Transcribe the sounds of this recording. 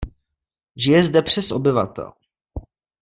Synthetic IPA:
ʒɪjɛzdɛpr̥ɛsʔobɪva̰t̪ɛ̰l

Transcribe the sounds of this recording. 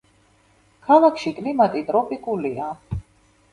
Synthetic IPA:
kʰalˠakʰʃikʼlimat̪ʼit̪ʼɾɔpʼikʼulia

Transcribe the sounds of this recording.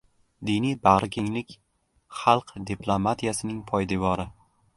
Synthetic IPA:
d̪inijbahɾɪkʲʰeŋlɪkʲ | χɑlˠqd̪iplˠomat̪ʰijasɪnɪŋpʰɒjd̪ɪvɒɾɪ

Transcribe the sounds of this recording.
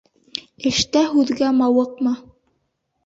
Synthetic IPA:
ɘ̆ʃt̪æɦʉðɡæmɑwɤq̚mɤ

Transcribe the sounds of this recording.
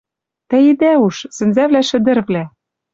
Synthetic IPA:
t̪ɘ̆id̪æuʃsɘ̆nzævlæʃɘ̆d̪ɘ̆rβlæ

